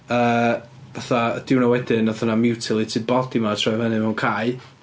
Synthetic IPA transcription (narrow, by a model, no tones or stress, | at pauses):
əː | vaθaəd̥ɪwnawɛdɪnaθənamɪwtʰɪlˠitʰɨːd̚bɔdimatʰrɔɛvənɨmɛwnkʰaj